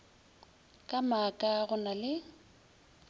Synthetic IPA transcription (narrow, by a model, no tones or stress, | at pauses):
kʼamakʼaɣʊnalɪ